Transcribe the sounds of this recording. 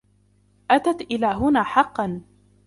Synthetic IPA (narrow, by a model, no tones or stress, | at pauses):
ʔat̪at̪ʔɪlaːɦʊnaːħɑqːɑn